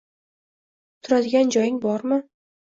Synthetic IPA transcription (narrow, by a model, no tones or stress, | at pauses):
t̪ʰʊɾad̪ɪɡʲand͡ʒɒjɪŋbɒɾmɪ